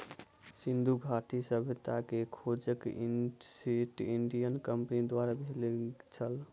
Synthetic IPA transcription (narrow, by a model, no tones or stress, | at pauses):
sind̪ʱuɡʱaʈisəbʱt̪akekʰod͡ʒəkisiʈiɳɖijənkəmpnid̪waɾabʱelet͡ʃʰəl